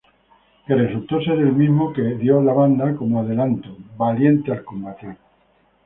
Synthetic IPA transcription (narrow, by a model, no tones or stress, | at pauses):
keresult̪oseɾelmiɦmokeðjolaβand̪ako̞moað̞e̞lant̪oβalje̞nt̪ealkombat̪i